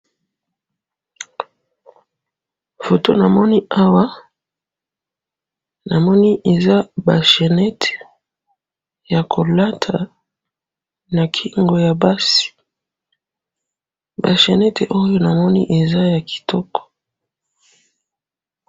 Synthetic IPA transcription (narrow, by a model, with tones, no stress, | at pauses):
fo˨to˦na˨mɔ˦ni˦a˦wa˦ | na˨mɔ˦ni˦ʔe˨za˦ba˨ʃe˨nɛ˦tʰe̥˨ | ja˨kʰo˨la˦tʰa˨ | na˨kʰi˦ŋɡo˨ja˨ba˦si̥˨ | ba˨ʃe˨nɛ˦te˨ʔo˦jo˦na˨mɔ˦nḭ˦ʔe˨za˦ja˨ki̥˨tɔ˦kɔ̥˨